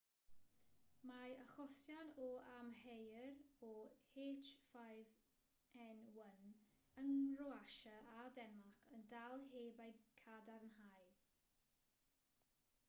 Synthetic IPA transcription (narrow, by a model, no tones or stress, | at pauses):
maəχɔsjanɔamhejrɔheːtfajv | ɛnwənənrɔaʃəadɛnmakʰəndalˠɦeːbajkʰadarnhaj